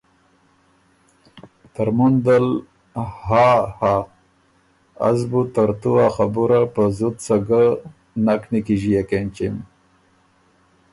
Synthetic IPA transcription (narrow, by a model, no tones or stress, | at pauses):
t̪aɾmund̪al | haha | a̰zbut̪aɾt̪uaxabuɾapəzut̪saɡə | naknikiʒijakent͡ʃim